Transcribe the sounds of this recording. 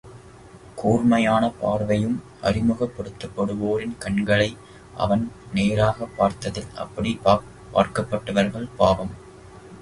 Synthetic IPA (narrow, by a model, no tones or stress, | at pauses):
kʰuːɾmɐjaːnɐpaːɾʋɐjɯm | ʔɐ̰ɾɪmɯɣɐpːɔɽɯt̪ːɐpːɐɽɯʋoːɾɪnkɐɳɡɐɭɐɪ | ʔɐ̰ʋɐnneːɾaːɣɐpːaːɾt̪ɐðɪlɐ̰pːɐɽipː | pːa̰ːɾkɐpːɐʈːɐʋɐɾɣɐɭpaːʋɐm